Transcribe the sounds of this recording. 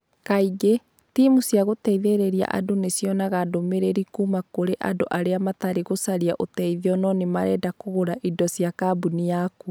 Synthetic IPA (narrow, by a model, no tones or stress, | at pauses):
kaiɡe | timusiaɣotɛiðeɾeɾia̰ʔa̰donesjɔnaɣadomeɾeɾikumakoɾeʔa̰doʔaɾeamataɾeɣosaɾia̰ʔotɛiðɔnɔnemaɾɛdakoɣoɾaʔidɔsiakabunijaku